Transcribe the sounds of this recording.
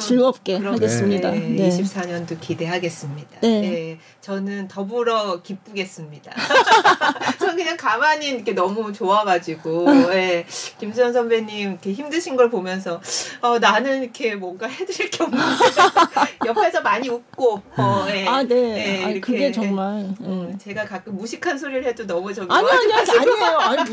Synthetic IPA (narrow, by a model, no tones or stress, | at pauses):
t͡ɕuɭmʌp̚k͈ekɯɾʌaɡes͈ɯmɲidaiɕʰip̚s͈aɲʌndokide̞ɦaɡe̞s͈ɯmɲidaee | t͡ɕʌnɯntʌbuɾʌkip͈ɯɡe̞s͈ɯmɲida̰ | t͡ɕʌnɯnkɯɲaŋkamaɲinikʰe̞nʌmut͡ɕoaɡad͡ʑiɡoje̞kimsʰʌnsʰʌmbeɲimikʰe̞çimdɯɕʰinɡʌɭpomjʌns̬ʰʌʌnanɯnikʰe̞mwʌŋɡaɦedɯɾiɭk͈eʌmnɯne | jʌppʰesʰʌmaɲiuk̚k͈oʌje̞eje̞iɾʌkkʰe | ʌt͡ɕe̞ɡakak͈ɯmmuɕʰikʰansʰoɾiɾɯɭhe̞donʌmut͡ɕʌmiai